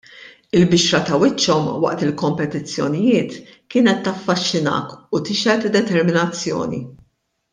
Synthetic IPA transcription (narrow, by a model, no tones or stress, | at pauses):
ɪlbɪʃɾɐt̪ɐwɪt͡ʃːɔmwɐ̰ʔt̪ɪlkɔmpɛt̪ɪt͡sːjɔ̰nɪjɪːt̪kɪːnɛt̪ːɐfːɐʃːɪnɐ̰ːkut̪ɪʃɛt̪ɪd̪ːɛt̪ɛɾmɪnɐt͡sːjɔ̰ːnḭ